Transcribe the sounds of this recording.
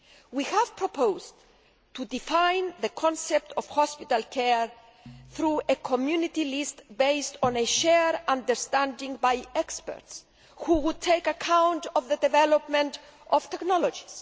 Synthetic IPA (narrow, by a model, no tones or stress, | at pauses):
wihæv̥pɾopowz | t̪ud̪ifãjnðəkʰɔ̃nsep̚t̪ʰɔvhɔspit̪alkʰeɹ | θɾuekʰomjunit̪ilist̪bejstɔ̃neʃɛɾãnd̪əɾst̪æ̃ndĩŋbajɛkspɛ̰ɾts | huwud̪̚t̪ʰejkakʰãwntɔvðəd̪evɛlopmẽntɔv̥t̪ɛknɔlod͡ʒi̥s